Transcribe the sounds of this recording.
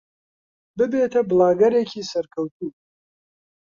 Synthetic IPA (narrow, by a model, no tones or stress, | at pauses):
bɨbeːt̪ʰɐblˠaːɡɐɾeːcʰiːsɐɾkʰɐwt̪ʰuː